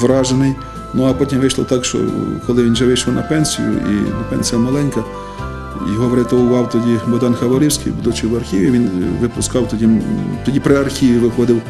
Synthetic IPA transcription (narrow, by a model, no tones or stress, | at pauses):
ʋɾɑʒenɪj | nuɐpɔtʲimʋɪjʃlˠɔ̰t̪ɑkʃt͡ʃɔ̰kɔlˠɪʋʲinʒɛʋɪjʃlɔwnʔɐ̰pɛnʲsʲḭjʊ̰ʔḭnɐpɛnʲsʲijɐmɐlˠɛnʲkɐ | jɔɦɔʋɾɪt̪ɔʊʋɑwt̪ɔdʲibɔd̪ɑnxɐʋɐlʲiwsʲkʲɪ̰jbud̪ʊt͡ʃɪʋɐrxʲiʋʲiʋʲinʋɪpʊskɑwt̪ɔdʲit̪ɔdʲipɾɪɐrxʲiʋʲiʋɪxɔd̪ɪw